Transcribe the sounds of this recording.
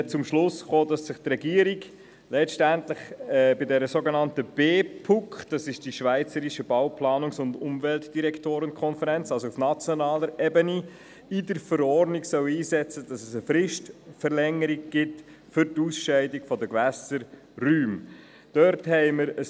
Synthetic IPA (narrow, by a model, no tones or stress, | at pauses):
t͡sʊmʃlʊsχoːdɑsːɪχtrɛɡiːəɾiɡ | lɛtʃtæntləχbɪdɛɾəsoɡenɑntəb̥eːpʰʊkχd̥ɑsɪʃd̥iʃvæɪt͡səɾiʃəbɑwpʰlɑːnʊŋsʊndʊmvɛltd̥iɾɛktoːɾənkʰɔnfəɾɛnt͡sɑlsoufnɑt͡sjɔnɑːləɾɛbəni | ɪdəɾfəɾɔɾdniksœwiːzɛt͡səd̥ɑsɛsəfɾɪʃtfəɾlɛŋːəɾiɡ̚ɡ̥ɪt | fʏɾtusʃɛɪdiɡ̥fɔdəɡʋɛsəɾ | ryːm | d̥œɾthɛɪməɾə